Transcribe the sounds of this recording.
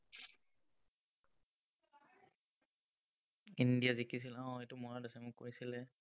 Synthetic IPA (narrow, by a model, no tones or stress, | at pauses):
indijazikʰis̬ilaɔ̃etʊmɔɹadɛsamʊkːo̰ɹisilɛ